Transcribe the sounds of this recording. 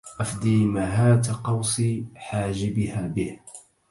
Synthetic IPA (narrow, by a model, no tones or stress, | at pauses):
ʔafd̪iːmaɦaːt̪aqɑwsˤiːħaːd͡ʒɪbɪhaːbɪh